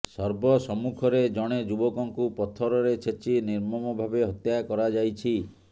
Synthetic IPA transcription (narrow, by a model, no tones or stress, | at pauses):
sɔɾbɔsɔmukʰɔɾed͡ʒɔɽ̃ed͡ʒubɔkɔŋkupɔt̪ʰɔɾɔɾet͡ʃʰet͡ʃiniɾmɔmɔbʱabeɦɔt̪jakɔɾad͡ʒajt͡ʃʰi